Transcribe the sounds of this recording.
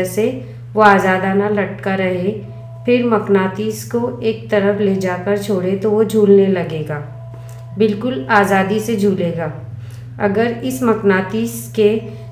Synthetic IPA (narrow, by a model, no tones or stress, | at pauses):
se | ʋoaːzaːd̪aːnalɐʈkaɾɐɦe | pʰɪɾmɐknaːt̪iːskoeːk̚t̪ɐɾəfled͡ʒaːkəɾt͡ʃʰoːɽet̪oʋod͡ʒʱuːlnelɐɡeːɡaː | bɪlkʊlaːzaːd̪ised͡ʒʱuːleːɡaː | ɐ̰ɡəɾɪsmɐknaːt̪iːske